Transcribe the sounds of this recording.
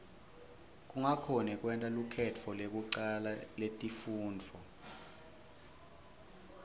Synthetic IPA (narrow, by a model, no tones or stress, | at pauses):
k̬ʼuŋakʰɔnɛk̬ʼwɛntʼalukʰɛt͡fʰɔlek̬ʼuǀalaletʼifuːnd͡vʱɔ